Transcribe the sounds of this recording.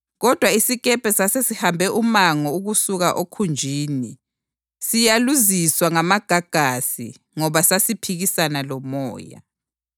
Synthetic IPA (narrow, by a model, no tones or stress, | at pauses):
ɣɔd̥ʱwaisiɣɛpʰʼɛsasesihambʱɛʔumaŋɔuɣusuɣaʔokʰund͡ʒʱiːni | sijaluziswaŋamaɡ̥ʱaɡ̥ʱasḭ | ŋɔβasasipʰiɣisanalɔmɔ̰ːja̰